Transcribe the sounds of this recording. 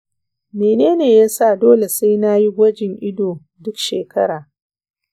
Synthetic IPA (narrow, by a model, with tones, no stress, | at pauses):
meː˨neː˦neː˨jaː˦sa˦˨doː˦le˨sa˦jna˦ji˦ɡʷɐ˦d͡ʒɪ˨ŋʔɪ˦doː˨ | dʊ˦kʃeː˨kʰɐ˦ɽaː˨